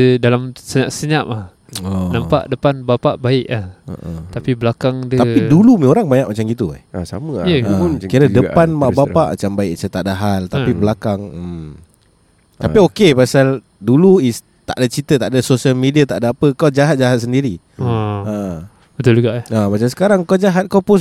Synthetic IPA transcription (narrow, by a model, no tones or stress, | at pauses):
dalamsəɲaʔsəɲaʔah | ɔnampa̰ʔdəpanbapaʔbaɪʔahə̰ʔət̪apibəlakaŋdət̪apidulumĩoɾaŋbaɲaʔ̚mat͡ʃamɡit̪ua̰hasa̰məjəəkiɾədəanmaʔbapaʔma̰t͡ʃambaɪʔsət̪aʔdaɦalt̪apibəlakaŋm | t̪apiokepasal | duluis | t̪a̰ʔdat͡ʃit̪ət̪aʔdasosiəlmediat̪aʔdaapəkawd͡ʒaɦat̪̚d͡ʒaɦat̪̚səndiɾi | ə | bət̪ʊld͡ʒuɡaʔamat͡ʃams̬ə̥kaɾaŋkawd͡ʒaɦat̪̚kawpʊs